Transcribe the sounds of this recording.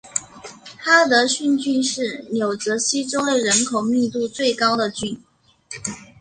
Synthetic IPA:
xa˥t̪ə˧˥ɕy˥˧nt͡ɕy˥˧nʂɻ̩˥˩njo˨˩ʊʈ͡ʂɤ˧˥ɕi˥ʈ͡ʂo˥ʊd̪ə˨˩ɻə˧˥nkʰo˨˩ʊmi˥˧t̪u˥˧t͡swe˥˩ɪkɑ˥ʊd̪ə˨t͡ɕy˥˩n

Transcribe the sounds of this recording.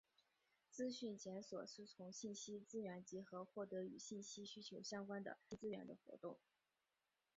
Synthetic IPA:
t͡sɹ̩˥ɕy˥˩nt͡ɕjɛ˧˥nswɔ˨˩ʂɻ̩˥˩t͡sʰʊ˧˥ŋɕi˥˩nɕi˥t͡sɹ̩˥ɥɛ˧˥nt͡ɕi˧˥xɤ˧˥xwɔ˥˩t̪ɤ˧˥y˨˩ɕi˥˩nɕi˥ɕy˥t͡ɕʰjo˧˥ʊɕjɑ˥ŋkwa˥nd̪ə̰˨pe˥˧ɪt͡sɹ̩˥ɥɛ̰˧˥nd̪ə̰˧xwɔ̰˧˥t̪ʊ˥˩ŋ

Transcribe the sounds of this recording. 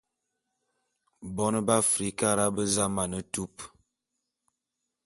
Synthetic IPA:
bɔ˦nə˦ba˦fɾi˦ka˦˨ɾa˦bə˦za˦ma˨nə˨tu˦p

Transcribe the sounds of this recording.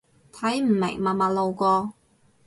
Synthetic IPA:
t̪ʰɐ˨˥jm̩˨˩mɪ˨˩ŋmaː˨˧maː˧lo˨˧wkʷɔː˧

